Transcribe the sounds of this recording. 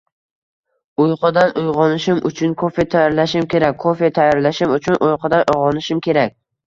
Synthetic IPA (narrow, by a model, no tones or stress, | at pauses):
ʊjqʰɨd̪anʊjʁɒnɪʃɪmʊt͡ʃʰʊnkʰofe̞t̪ʰajɒɾlaʃɪmkʲe̞ɾak̚ʲʰːofet̪ʰajɒɾlaʃɪmʊt͡ʃʰʊnʔojqʰɑd̪anʊjʁɒnɪʃɪmkʲe̞ɾak̚ʲ